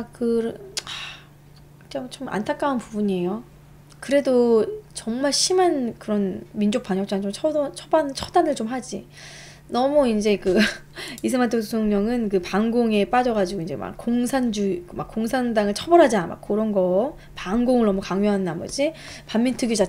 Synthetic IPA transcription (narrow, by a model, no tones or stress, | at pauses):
kɯɾa | t͡ɕ͈aŋt͡ɕoma̰ntʰak͈aunpubuɲie̞jo | kɯɾe̞dot͡ɕʌŋmaɭɕʰimankɯɾʌnmind͡ʑok̚p͈aɲʌk̚t͡ɕ͈aɯt͡ɕomt͡ɕʰʌʌt͡ɕʰʌbant͡ɕʰʌdanɯɭt͡ɕomɦad͡ʑi | nʌmuind͡ʑe̞kɯ | isʰɯmatʰotʰusʰoŋɲʌŋɯnkɯpaŋɡoŋe̞p͈ad͡ʑʌɣad͡ʑiɡoind͡ʑe̞̰ma̰kːoŋsʰand͡ʑukma̰k͈ːoŋsʰandaŋɯɭt͡ɕʰʌbʌɾɦad͡ʑama̰k͈ːɯɾʌnɡʌ | paŋɡoŋɯɭnʌmukaŋjuɦanɯnamʌ̰d͡ʑipammintʰɯɡid͡ʑa